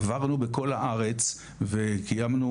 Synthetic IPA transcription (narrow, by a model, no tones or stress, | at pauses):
vaʁnubeko̞laʔaʁe̞t͡s | vekijamnu